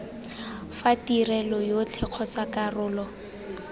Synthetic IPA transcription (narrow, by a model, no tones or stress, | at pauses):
fatirɛlɔjot͡ɬʰɛq͡χʰɔt͡sakarʊːlɔ